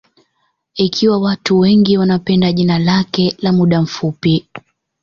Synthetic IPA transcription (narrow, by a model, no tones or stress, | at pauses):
ikʰiwawatuwɛŋɡiwanapɛndaʄinalakɛlamuɗam̩fupi